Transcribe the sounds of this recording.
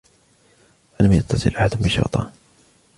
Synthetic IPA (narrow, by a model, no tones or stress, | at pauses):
alamjat̪ʰːɑsˤɨ̰lʔaħad̪mɪnʃɑ̰ɾt̪ˤɑ̰ː